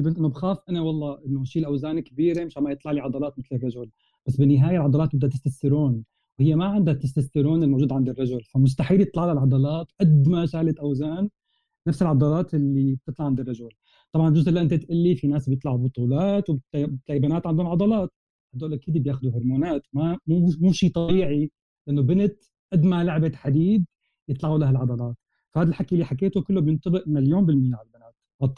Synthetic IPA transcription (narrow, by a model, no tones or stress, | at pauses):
ɪlʔɪnːobxaːfʔanawɑlˤːɑːʔɪnːoʃiːlʔawzaːnkbiːɾemɪʃamajɨt̪ˤlɑʕliʕɑd̪ˤɑlɑːt̪mɪt̪lɪrˤːɑʒʊl | b̥asːbɪnːɪɦaːjalʕɑd̪ˤɑlɑːt̪̚bɪd̪at̪ɪst̪ast̪ɪɾuːn | whɪjːemaʕɪnd̪at̪ɪst̪ast̪ɪɾoːnɪlmowʒuːd̪ʕand̪ɪrˤːɑʒʊlfamʊs̬t̪aħiːljɨt̪ˤlɑʕlalʕɑd̪ˤɑlɑːt̪ʔad̪maʃaːlɪt̪ʔawzaːnː | afsɪlʕɑd̪ˤɑlɑːt̪ɪlːib̚t̪ɨt̪ˤlɑʕand̪irˤːɑʒʊl | t̪ˤɑbʕɑnʒʊzʔɪlːaʔɪnt̪at̪ʔalːifinaːsbjɨt̪ˤlɑʕubʊt̪ˤuːlɑːt̪wbt̪ɪt̪ːajbanaːt̪ʕand̪oːnʕɑd̪ˤɑlɑːt̪̚ | had̪ːoːlʔakiːd̪ibjaːxʊd̪uɦʊɾˤmoːnaːt̪mamumuːʃiːt̪ˤɑbiːʕi | laʔanːobɪnɪt̪ | ʔad̪malaʕbaħad̪iːd̪̚ | jɪt̪ˤlɑʕulahalʕɑd̪ˤɑlɑːt̪ | fahaːd̪alħakːjælːiħakeːt̪okɪlːobjɪnt̪ˤɨbɪʔmɪnɪljoːmbɪlmɪjːaʕalbanaːt̪ | wɑt̪ˤː